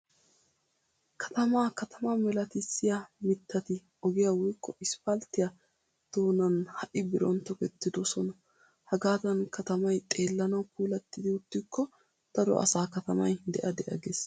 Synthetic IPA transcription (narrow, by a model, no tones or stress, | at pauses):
kʰɐ̥t̪ɐmaːkɐt̪ʰɐmɐmɛlɐt̪ɪsːɪjamɪt̪ʰːɐt̪ɪ | ɔɡɪjɐwʊjkːɔɪspɐlt̪ɪjɐ | d̪̥oːnɐnhɐʔɪbɪɾɔ̰nt̪ɔkɛt̪ːɪd̪ɔsɔnɐ | hɐɡaːt̪ɐnkɐt̪ɐmɐjt̪ʼeːlːɐnɐwkuːlɐt̪ːɪd̪ɪʊt̪ːɪkʰːɔ | t̪ɐd̪ɔ̰ʔɐ̰saːkɐt̪ɐmɐ̰jd̪ɛʔɐd̪ɛʔɐ̰ɡeːs